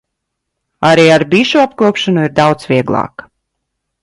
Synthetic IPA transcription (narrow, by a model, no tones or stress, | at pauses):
aɾiːaɾbiʃuapkuɔpʃanuiɾd̪awt̪sviɛɡlˠɑ̰ːk